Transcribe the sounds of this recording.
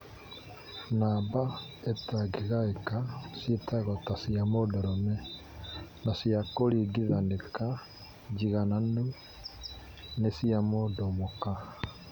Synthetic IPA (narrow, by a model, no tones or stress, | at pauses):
naba | etaɡiɣaekasjetʰaɣɔtasiamodɔɾɔmɛ | nasiakoɾiɡiðandeka | d͡ʒiɣananu | nesiamodɔmoka